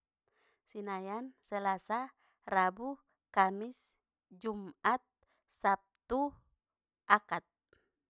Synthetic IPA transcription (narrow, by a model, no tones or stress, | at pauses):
sinajansɛlasa | rabu | kamis | d͡ʒumat̪̚ | sap̚t̪u | ʔakat̪̚